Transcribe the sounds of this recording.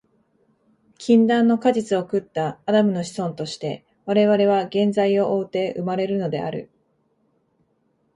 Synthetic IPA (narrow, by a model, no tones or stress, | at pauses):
kʲʰĩnd̪ãnːo̞kaʑit͡sɨo̞kɯ̟t̪ːaːd̪amɯ̟no̞ɕi̥sõ̞nt̪o̞ɕi̥t̪e̞ | βaɾe̞βaɾe̞β̞aɡẽ̞nzaio̞ʔoːt̪e̞ːʔɯ̟maɾe̞ɾɯ̟no̞d̪e̞̰a̰ɾɯ̟̰